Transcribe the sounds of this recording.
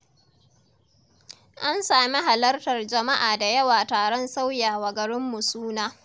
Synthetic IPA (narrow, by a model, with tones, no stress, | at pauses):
ʔa˦nsaː˨mi˦ɦa˨lɐ˦rtɐ˨rd͡ʒɐ˨ma˦ʔaː˨da˨jɐ˦waː˨taː˨ɽɔ˦nsa˦wjaː˨wɐ˨ɡɐ˨ɽɪ˦mːu˨suː˦naː˦